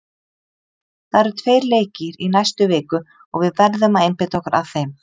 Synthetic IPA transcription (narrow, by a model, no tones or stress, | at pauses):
θaðɾɛɾʏ̥t̪ʰveːjɾleːjcɪɾinajst̪ʏvɪːkʏ | ɔɣvɪðvɛɾðʏmaejnpet̪ɔhkaɾa̰ðθejm